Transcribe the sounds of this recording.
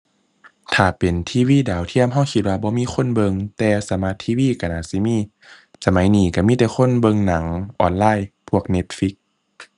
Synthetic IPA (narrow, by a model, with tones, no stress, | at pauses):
t̪ʰaː˨˩pe˨nt̪ʰiː˧˨wiː˧˥˨daː˨˩˦wt̪ʰi˧˥˩əmɦa˧˥˩wkʰi˧˦t̪̚waː˧bɔː˧˦miː˧˥˨xʰo˧˥˨nbɤ˧ŋt̪ɛː˧sa˨˦ma˧˥t̪ʰːiː˧wiː˧˥˨ka˧˩naː˧˩si˧˦miː˧˥˨ | sa˧ma˨˦jniː˧˩ka˧˩miː˧˥˨ɛː˨˩xʰo˧˥˨nbɤ˧ŋna˨˩˦ŋʔɔ̰ː˧nlaː˧˥˨jpʰu˧˥˩ək̚ne˧˥t̪̚fi˧˦˥k̚